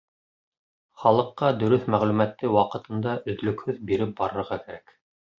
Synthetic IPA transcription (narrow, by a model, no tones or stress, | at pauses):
χɑlˠɤ̆qːɑd̪ɵ̆ɾɵθmæʁlʉmæt̪ːɘwɑqɤ̆t̪ɤ̆nd̪ɑʔɵ̆ðlɵ̆khɵðbiɾɘp̚bɑɾɤ̆ɾʁɑkæɾæk